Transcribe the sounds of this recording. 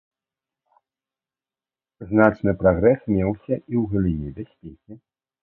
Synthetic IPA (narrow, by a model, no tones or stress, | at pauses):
znat͡ʂnɨpɾaɣɾɛsmʲɛwsʲɐiwɣɐlʲinʲɛbʲasʲpʲekʲi